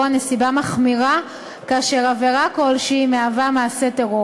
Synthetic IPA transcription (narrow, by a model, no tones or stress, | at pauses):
anesibamaχmiʁa | kaːʃe̞ʁaveʁako̞lʃimeavamaːse̞teʁo